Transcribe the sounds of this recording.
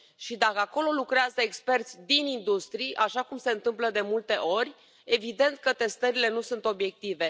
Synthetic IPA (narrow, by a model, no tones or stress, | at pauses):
ʃid̪akəako̞lo̞lukɾeazəekspe̞rt̪sʲd̪inind̪ust̪ɾijʔaʃakumse̞ɨnt̪ɨmpləd̪e̞mult̪e̞ʔo̞rʲ | e̞vid̪e̞nt̪̚kət̪e̞st̪əɾile̞nusunt̪o̞bje̞k̚t̪ive